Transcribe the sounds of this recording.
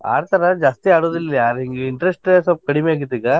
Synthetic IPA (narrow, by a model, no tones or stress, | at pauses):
a̰ːɾt̪ɐɾɐd͡ʒaːst̪iaːɽoːd̪iliaːɾɦiŋɡeiɳʈɾesʈesɐp̚kɐɽimeaːɡit̪ːiːɡaː